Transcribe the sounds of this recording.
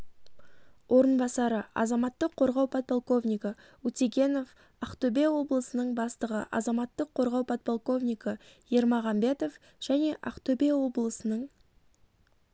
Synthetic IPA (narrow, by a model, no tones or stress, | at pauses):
wʔoɾənbɑsɑɾəɑ̰zɑmɑt̪ːəqʰːo̞ɾʁɑwpʰɑt̪̚pʰolˠko̞vnʲijkə | ut̪ʲeɡʲe̞no̞f | ɑqt̪ɵbe̞wo̞blˠəsənəɴbɑst̪əʁə̰ʔɑ̰zɑmɑt̪ːəqʰːo̞ɾʁɑwpʰot̪̚pʰolˠko̞vnʲijkəje̞ɾmɑʁɑmbe̞t̪o̞f | ʒ̥æne̞ʔɑqt̪ɵbe̞wo̞blˠəsənəɴ